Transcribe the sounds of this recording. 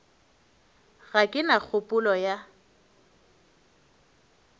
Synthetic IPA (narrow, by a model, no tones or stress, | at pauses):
ɣakʼɪnak͡xʰʊpʼʊlɔja